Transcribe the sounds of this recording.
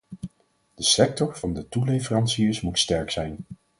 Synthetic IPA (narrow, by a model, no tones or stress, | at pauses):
d̥əsɛk̚tɔɹv̥ɑndətulejvərɑnsiəsmutstɛɹksɛjn